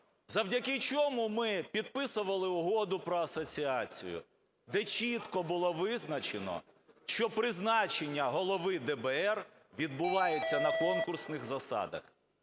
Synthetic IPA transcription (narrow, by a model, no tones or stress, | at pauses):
zɐwdʲɐkɪt͡ʃɔmʊmɪpʲid̪̚pɪsʊʋɐlˠɪʊɦɔd̪ʊpɾɔɐsɔt͡sʲiɑt͡sʲḭjʊ̰ | d̪ɛt͡ʃʲit̪kɔbʊlˠɔʋɪznɐt͡ʃenɔ̰ | ʃt͡ʃɔpɾɪznɑt͡ʃenʲːɐɦɔlˠɔʋɪd̪ɛbɛɛr | ʋʲid̪bʊʋɑjet͡sʲːɐnɐkɔnkʊrsnɪxzɐsɑ̰d̪ɐ̰x